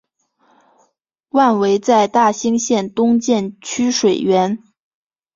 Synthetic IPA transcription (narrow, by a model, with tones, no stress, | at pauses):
wa˥˩nwe˧˥ɪt͡sa˥˧ɪt̪a˥˩ɕi˥ŋɕjɛ˥˩nt̪ʊ˥ŋt͡ɕjɛ˥˩nt͡ɕʰy˥ʂwe˨˩ɪɥɛ˧˥n